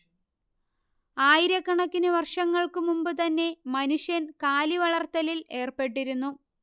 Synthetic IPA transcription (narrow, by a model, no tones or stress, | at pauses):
aːjiɾɐkːɐɳɐkːinɨʋɐrʂɐŋːɐɭkɨmumbɨt̪ɐnːe̞mɐnuʂjɐnkaːliʋɐɭɐrt̪ːɐlile̞ːrpe̞ʈːiɾunːu